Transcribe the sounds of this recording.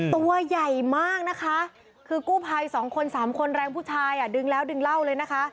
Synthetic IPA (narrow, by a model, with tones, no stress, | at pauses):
t̪u˧ɐja˨˩jmaː˥˩k̚na˦˥kʰa˦˥ | kʰɯː˧kuː˥˩pʰaː˧jsɔː˩˦ŋkʰo˧nsaː˩˦mkʰo˧nɾɛː˧ŋpʰuː˥˩t͡ɕʰaː˧jʔa˨˩dɯ˧ŋlɛː˦˥wdɯ˧ŋla˥˩wlɤː˧jna˦˥kʰa˦˥ʔ